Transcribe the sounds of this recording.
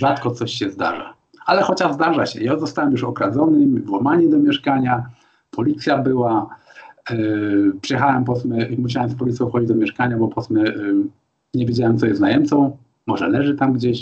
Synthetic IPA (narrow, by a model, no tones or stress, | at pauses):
ʐat̪kɔt̪sɔɕɕɛzd̪a̰ʐa̰ | alɛxɔt͡ɕaʐzd̪aʐaɕɛ̰jazɔst̪awɛmjuʂɔkɾad̪zɔnɘvwɔmaɲɛd̪ɔmjɛʂkaɲa | pʰɔlʲit̪sʲjabɘwa | pʂɛjɛxawɛmpɔsmɛmuɕ̬awɛmspɔlʲit̪sjɔ̃w̃xɔd͡ʑid͡ʑd̪ɔmʲjɛʂkaɲabɔpɔsmɛ | ɲɛvʲjed͡ʑawɛmt̪sɔjɛst̪najɛmt̪sɔ̃w̃ | mɔʐɛlɛʐɘt̪amɡd͡ʑeɕ